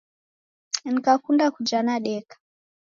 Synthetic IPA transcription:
nikakundakud͡ʒanaɗɛkḁ

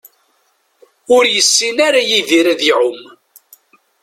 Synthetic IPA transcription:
ʊɾjəsːinaɾajiðiɾaðiʕʊm

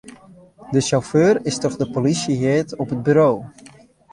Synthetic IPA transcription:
dəʃawføːrɪstɔχdəpolisiɦɪːtɔpɦəd̚byɾow

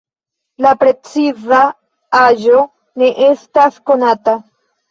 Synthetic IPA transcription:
lapɾe̞t͡siza | aʒo̞ | ne̞ʔe̞stasko̞nata

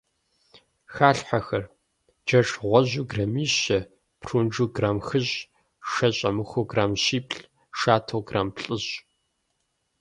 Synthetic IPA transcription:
xaːɬħaxɐr | d͡ʒɐʈ͡ʂʼʁʷɔʑuːɡrɐmiːɕɐ | pʰrund͡ʒuːɡraːmxɨɕ | ʂɐɕʼɐmɨxʷoɡraːmɕiːpʰɬ | ʂaːtʰɐwɡraːmpɬʼɨɕ

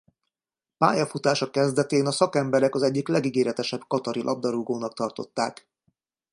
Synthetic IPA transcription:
pa̰ːjɒfut̪aːʃɒkɛzd̪ɛt̪eːnɒsɒkɛmbɛɾɛkɒzɛɟːiklɛɡiɡeːɾɛt̪ɛʃɛbkɒt̪ɒɾilʔɒ̰b̚d̪ɒɾuɡoːnɒk̚t̪ɒrt̪o̞t̪ːa̰ːk

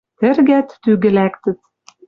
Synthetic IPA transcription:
t̪ɘ̆rɣæt̪ːyɣɘ̆lækt̪ɘ̆t̪

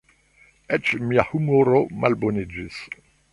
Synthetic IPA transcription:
ɛt͡ʃmiahumoɾomalbonid͡ʒis

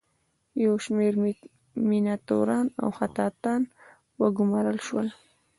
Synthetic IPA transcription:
jawʃmeɾ | mɪnat̪o̰ɾɑːna̰wxat̪ɑːt̪ɑːn | waɡʊmaɾəlʃwal

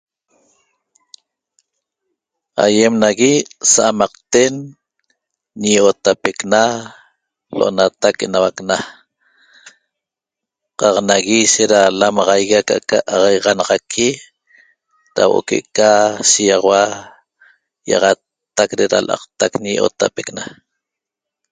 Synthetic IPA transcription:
a̰jemnaɣisaʔamɑq̚t̪en | ɲiʔot̪apekna | loʔo̰nat̪akʔenawakna | qɑqnaɣiʃeɾalamɑʁɑjɣakaʔkaʔːʁɑjʁɑnɑʁɑkʰi | ɾa̰woʔo̰kḛʔkasijɑʁɑwa | jɑ̰ʁɑt̪ː | akɾeɾa̰lʔɑ̰qt̪akɲijʔo̰t̪a̰pekna

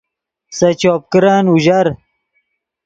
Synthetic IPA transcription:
sɐt͡ɕoːp̚kɾaːnuʑɐɾ

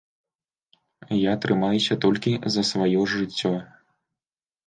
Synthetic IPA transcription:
jat̪ɾɨmajusʲɐt̪ɔlʲkʲizɐsvajɔʐɨt͡sʲːɔ

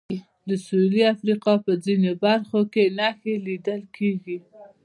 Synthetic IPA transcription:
d̪əsuliafɾiqɑpəd͡zinebaɾxokenɑxelid̪əlkʰeɡi

